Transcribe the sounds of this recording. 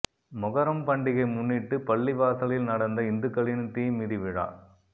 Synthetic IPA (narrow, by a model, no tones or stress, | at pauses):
mʊɣɐɾɐmpɐɳɖɪɣɐɪmʊnːɪʈːɯpɐɭːɪʋaːsɐlɪlnɐɽɐnd̪ɐɪnd̪ɯkːɐɭɪnt̪iːmiːðiʋɪɻa̰ːɭ